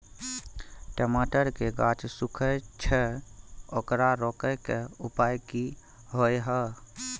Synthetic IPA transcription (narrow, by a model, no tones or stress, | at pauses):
ʈemaʈəɾkeɡat͡ʃsukʰət͡ʃʰɛ | okɾaɾɔkəkeupajki | ɦojɦə